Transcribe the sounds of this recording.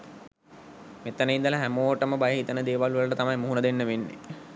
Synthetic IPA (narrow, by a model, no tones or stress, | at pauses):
met̪ənəind̪ələɦæmoːʈəməbajəɦit̪ənəd̪eːʋaluʋələʈət̪amajmuɦunəd̪enːəʋenːḛ